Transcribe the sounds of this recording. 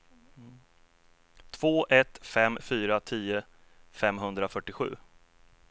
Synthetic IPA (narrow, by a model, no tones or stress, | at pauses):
t̪ʰv̥oːʔɛt̪fɛmfyːɾat̪ʰiːʊ | fɛmɦɵnd̪ɾafœʈːɪɧʉ̟ː